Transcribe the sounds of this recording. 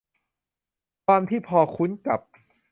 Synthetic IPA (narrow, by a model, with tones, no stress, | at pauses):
kʰwaː˧mt̪ʰiː˥˩pʰɔː˧kʰu˦˥nka̰˨˩p̚